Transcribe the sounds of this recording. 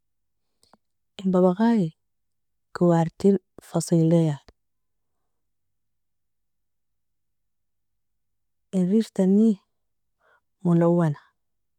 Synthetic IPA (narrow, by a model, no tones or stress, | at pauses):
ʔimbaβaɣaːji | kiwaɾt̪il | fɑsˤiːlija | ʔinɾiɾt̪anːi | mulawːana